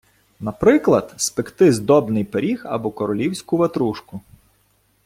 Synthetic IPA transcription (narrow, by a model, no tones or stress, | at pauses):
nɐpɾɪklˠɐd̪spɪkt̪ɪzd̪ɔbnɪjpeɾʲixɐ̰bɔkɔɾɔlʲiwsʲkʊʋɐt̪ɾuʃkʊ